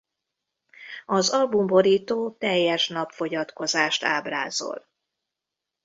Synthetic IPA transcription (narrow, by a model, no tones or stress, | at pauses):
ɒzɒlbumbo̞ɾiːt̪oːt̪ɛjːɛʃnɒpfo̞ɟɒt̪ko̞zaːʃt̪a̰ːbraːzo̞̰l